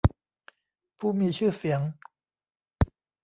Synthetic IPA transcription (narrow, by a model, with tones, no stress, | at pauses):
pʰuː˥˩miː˧t͡ɕʰɯː˥˩si˩˦əŋ